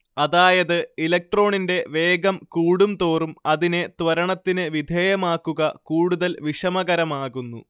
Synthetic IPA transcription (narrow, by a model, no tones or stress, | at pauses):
ɐðaːjɐðɨilɐk̚ʈro̞ːɳinde̞ʋe̞ːɡɐmkuːɽumt̪o̞ːrumɐðine̞t̪ʋɐɾɐɳɐt̪ːinɨʋid̪ʱeːjɐmaːkːuɣɐkuːɽuðɐlʋiʂɐmɐɣɐɾɐmaːɣunːṵ